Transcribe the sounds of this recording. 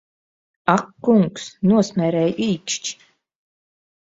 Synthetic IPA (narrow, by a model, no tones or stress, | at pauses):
akːuŋksnuɔsmʲɛɾɛjiːkʃt͡ʃ